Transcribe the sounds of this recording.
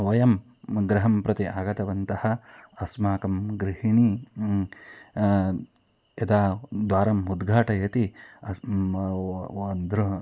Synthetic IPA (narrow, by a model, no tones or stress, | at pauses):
ʋɐjɐm | ɡɾɐɦɐmpɾɐt̪iʔaːɡɐt̪ɐʋɐnt̪ɐhɐ̆ɐsmaːkɐmɡɾɪɦiɳi | ɐd̪aːd̪ʋaːɾɐmud̪ɡʱaːʈɐjɐt̪iɐ | nd̪ʱɾu